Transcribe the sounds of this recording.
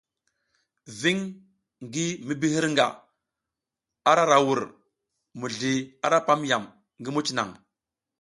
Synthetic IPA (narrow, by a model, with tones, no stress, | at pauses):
vi˦ŋ | ŋɡi˦mi˦bi˦hi˦ɾŋɡa̰˨ | a˦ɾa˦ɾa˨wu˨ɾ | mu˨ɮi˨a˦ɾa˦pa˦mja˨m | ŋɡi˦mu˦t͡ʃi˨na̰˨ŋ